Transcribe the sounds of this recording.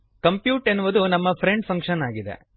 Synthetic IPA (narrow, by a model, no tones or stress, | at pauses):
kɐmpjuːʈenːuʋud̪unɐmːɐpʰɾeɳɖpʰɐŋkʂɐnaːɡid̪ḛ